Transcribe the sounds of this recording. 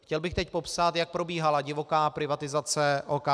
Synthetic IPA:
xcɛlbɪxt̪ɛcpo̞psat̪jak̚pɾo̞biːɦalaɟɪvo̞kaːpɾɪvat̪ɪzat͡sɛʔoka

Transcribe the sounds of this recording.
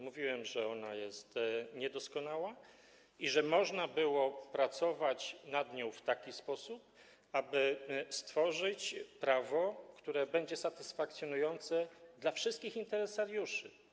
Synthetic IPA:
muvʲiwɛmʐɛɔnajɛst̪ɲɛd̪ɔskɔnawa | iʐɛmɔʐnabɘwɔpɾat̪sɔvat͡ɕnad̪ɲɔ̃w̃ft̪akʲispɔsup̚ | abɘst̪fɔʐɘt͡ɕpɾavɔkt̪uɾɛbɛɲd͡ʑɛsat̪ɘsfak̚t̪sʲjɔnujɔnt̪sɛd̪lafʂɘst̪̚kʲixint̪ɛɾɛsaɾjuʂɘ

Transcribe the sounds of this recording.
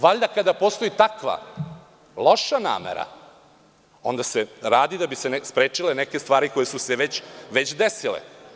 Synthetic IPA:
ʋaʎd̪akad̪apo̞st̪o̞it̪akʋa̰ | lo̞ʃana̰ːmḛɾa̰ | o̞̰nd̪aseɾaːd̪id̪abise̞nespɾeːt͡ʂileneke̞st̪ʋaːɾiko̞jesuseʋet͡ɕʋe̞t͡ɕd̪esilḛ

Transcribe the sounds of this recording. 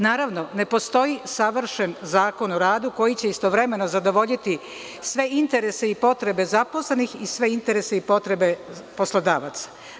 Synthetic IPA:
naːɾaʋno̞ne̞po̞st̪o̞jisaʋr̩ʃe̞nzaːko̞noɾaːd̪uko̞jit͡ɕe̞ist̪o̞ʋɾe̞me̞no̞zad̪o̞ʋo̞ʎit̪i | sʋe̞int̪e̞ɾe̞seipo̞t̪ɾe̞be̞zapo̞slenixisʋe̞int̪e̞ɾe̞se̞ipo̞t̪ɾe̞be̞po̞slˠod̪aːʋat̪sḁ

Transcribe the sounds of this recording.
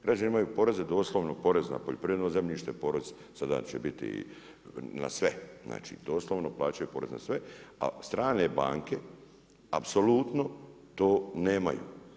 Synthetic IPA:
ɡɾad͡ʒaniimajuːpo̞ɾe̞zed̪o̞ːslˠoʋnopo̞ɾe̞zna̰po̰ʎepɾiʋɾed̪ozemʎiʃt̪epo̞ɾe̞z | sad̪a̰t͡ɕebit̪ḭ | na̰sʋezna̰ːt͡ʃḭd̪o̞ːsloʋnoplaːt͡ʃajupoɾe̞zna̰sʋe̞a̰st̪ɾaːne̞ba̰ːŋke̞ | apsolut̪no | t̪o̞ːneːma̰jṵː

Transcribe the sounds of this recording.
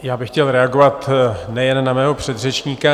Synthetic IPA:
jaːbɪxcɛlɾɛaɡo̞vat̪nɛjɛnːamɛːɦo̞pr̝̥ɛd̪r̝ɛt͡ʃɲiːka

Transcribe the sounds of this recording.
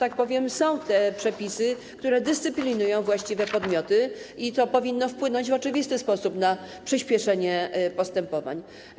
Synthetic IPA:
t̪ak̚pɔvʲjɛmsɔ̃w̃t̪ɛpʂɛpʲisɘ | k̚t̪uɾɛd̪ɘst̪sɘpʲlʲinujɔ̃w̃vwaɕt͡ɕivɛpɔd̪mʲɔt̪ɘit̪ɔpɔvʲinːɔfpwɘnɔɲd͡ʑvɔt͡ʂɘvʲist̪ɘspɔsupna | pʂɘɕpʲjɛʂɛɲɛpɔst̪ɛmpɔva̰ɲ

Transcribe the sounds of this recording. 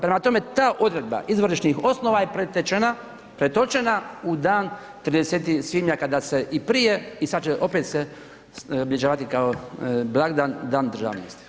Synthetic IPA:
pɾemat̪o̞me̞t̪aːʔo̞d̪ɾe̞d̪̚ba̰ʔizʋoɾiʃnixo̞snoʋajepɾet̪et͡ʃena | pɾet̪o̞t͡ʃenaud̪aːn | t̪ɾid̪eset̪isʋimɲakad̪aseʔipɾijeisad̪t͡ʃeʔopet̪se | oblʲed͡ʒaːʋat̪ikaoblˠaːɡd̪and̪aːnd̪r̩ʒa̰ːʋnḭjest̪i̥

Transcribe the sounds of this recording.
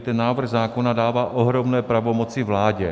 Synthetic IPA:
t̪ɛnːaːvr̩ɣzaːko̞nadaːvaːʔoɦɾo̞mnɛːpɾavo̞mo̞t͡sɪvlaːɟɛ

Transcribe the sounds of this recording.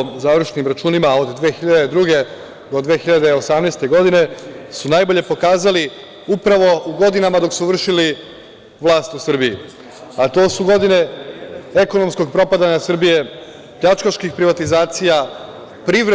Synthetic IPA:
zaʋr̩ʃenimɾat͡ʃuːnimao̞d̪d̪ʋeːxiʎad̪ed̪ɾuɡe̞ | d̪o̞d̪ʋeːxiʎad̪eosamnest̪e̞ɡo̞d̪ine̞sunajbo̞ʎe̞po̞kaːzali | upɾaʋo̞uɡo̞d̪inamad̪o̞ksuʋr̩ʃili | ʋlˠaːst̪usr̩bii | at̪o̞ːsuɡo̞d̪ine̞ | e̞ko̞no̞msko̞ɡpɾo̞pad̪aɲasr̩bije̞ | pʎat͡ʃkaʃkixpɾiʋat̪izaːt̪sija | pɾiʋɾe

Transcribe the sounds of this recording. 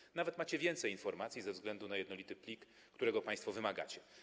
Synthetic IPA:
navɛt̪mat͡ɕɛvʲjɛnt̪sɛjinfɔɾmat̪sʲjizɛvzɡlɛnd̪unajɛd̪nɔlʲit̪ɘplʲikː | t̪uɾɛɡɔpãj̃st̪fɔvɘmaɡa̰t͡ɕɛ

